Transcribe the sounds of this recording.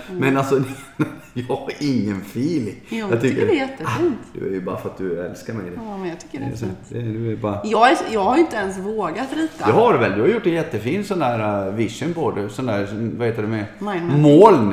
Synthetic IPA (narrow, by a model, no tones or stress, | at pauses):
mɛnalsɔ | jɑɪŋːənfiːlɪjɑt̪ʏkkːəɾɛjɛt̪ːəiːnt̪d̪ɵ̰æ̰ɾjʉbɑ̰ːɾfɾat̪d̪ɵɛ̰lskaɾmɛɡ̪mɛnjɑt̪ʰkːəɾɛ̰st̪d̪ɛd̪ɵɛɾbɑːɾajɑːjɑːɡhaɾɪnt̪əɛnsvoːɡat̪ɾiːt̪ad̪ɛɦaɾvɛld̪ɵhaɾjʊʈːɛnjɛt̪ːəfiːnsɔnd̪æːɾavɪʂənpoːd̪əsɔnd̪æːɾvaheːt̪ədɵmɛmoːln